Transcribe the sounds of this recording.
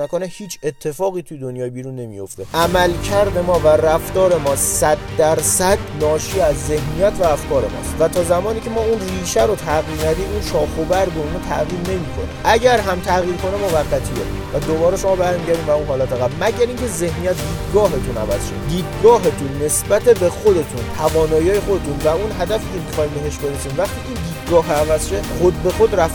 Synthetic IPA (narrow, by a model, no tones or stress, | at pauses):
næko̞nehiːt͡ʃʰe̞t̪ʰːe̞fɒːɣiːt̪ʰujed̪onjɒːjebiːɾunːe̞mḭjo̞ft̪eʔæmælcʰæɾd̪e̞mɒːværæft̪ɒːɾe̞mɒːsæd̪ːæɾsæd̪nɒːʃiːæzːe̞hnijæt̪ʰvæːfkʰɒːɾemɒ̰st̪væt̪ʰɒːzæmɒːniːcʰe̞mɒːunriːʃæɾot̪ʰæɣiɾnæd̪iːmunʃɒːxobæɾbeunɑːt̪ʰæ̰ɣiːɾne̞miːkʰo̞nḛʔæɟæɾɦæmt̪ʰæɣiːɾkʰo̞nemovæɣːæt̪ʰijḛ | væd̪obɒːɾeʃo̞mɒːbæɾmiːɟæɾd̪imvæuːnɦɒːlæt̪æɣæbmæɟæɾiːŋcʰe̞ze̞hnijæt̪̚ʰd̪iːd̥̪ɡɒːɦe̞t̪ʰunæ̰væz̥ʃḛd̪iːd̪ɡɒːɦet̪ʰunːe̞sbæt̪e̞be̞xod̪e̞t̪ʰunt̪ʰævɒːnɒːjiɒːjexod̪e̞t̪ʰunvæunɦæd̪æfiːcʰemixɒːiːmbe̞ɦeʃbe̞ɾesiːnvæχt̪iːiːnd̪iːd̪̥̚ɡɒːɦævæzʃexod̪be̞xo̞d̪ɾæf